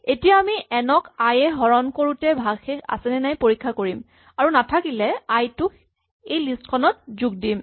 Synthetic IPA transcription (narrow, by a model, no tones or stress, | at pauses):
etijaːmiɛnɔkajɛɦɔɹɔnkoɹutɛbʱaɡxɛka̰sɛnɛnajpoɹikʰːakoɹim | aɹunatʰakilɛajtʊk | ejlistkʰɔnɔt̚zuɡ̚dim